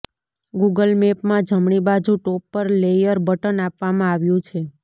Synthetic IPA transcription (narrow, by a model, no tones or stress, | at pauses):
ɡuɡəlmepmãd͡ʒʱəmɳibad͡ʒũʈopːəɾlejəɾbəʈənapʋamãaʋjũt͡ʃʰe